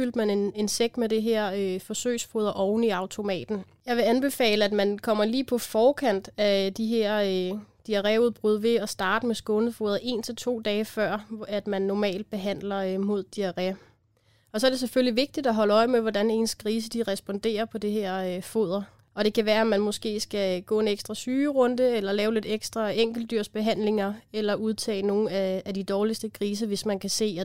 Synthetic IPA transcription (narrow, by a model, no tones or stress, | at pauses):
fyl̰d̥mænene̝nseɡ̥med̥e̝ɦeɐ̰øfɒ̽sø̰ːsfo̝ːð̞ˠɐʔɒʊnəiɑ̈ʊt͡sʰo̝mɛ̰ːd̥n̩ | jɑ̈ɪʋe̝ænb̥e̝fɛ̰ːləæd̥mænkʰɒ̽m̰ɐliːpʰɒ̽fɒːkʰæn̰d̥æd̥iɦeɐ̰ød̥iæʁɛuðˠb̥ʁuð̞ˠʋe̝ɒ̽sd̥ɑ̈ːd̥əmesɡ̥ɔ̽nð̩ˠfo̝̰ːðˠɐʔe̝̰ːnt͡sʰe̝lt͡sʰo̝̰ːd̥ɛːfɶɐ̰æd̥mænːɒmɛ̰ːld̥̚b̥e̝ɦæn̰lɐmo̝ð̞̰ˠd̥iæʁɛ | ɒ̽sɒɐd̥e̝s̬eføliʋe̝ɡ̥̚d̥id̥ɒɦɒ̽ləɒ̽ɪmeʋɒdæne̝nskʰʁiːs̬əd̥iʁɛsb̥ɒ̽nd̥e̝̰ːɐpʰɒ̽d̥iheɐ̰fo̝̰ð̰ˠɐ | ɒ̽ɾ̥e̝kʰæʋæːɐæmænmɔ̽sɡ̥e̝̰ːsɡ̥æɡ̥ɔ̰ːe̝neɡ̥sd̥ʁɑsyːʁɔ̽nd̥əelɐlɛːʊle̝d̥eɡ̥sd̥ʁɑeŋ̰ɡ̥l̩d̥yɐ̰sb̥e̝ɦæn̰le̝ŋɐelɐʔuðˠt͡sʰɛ̰ːno̝ːn̩ææd̥id̥ɒːlisd̥əkʰʁiːs̬əʋe̝smænkʰæse̝̰ː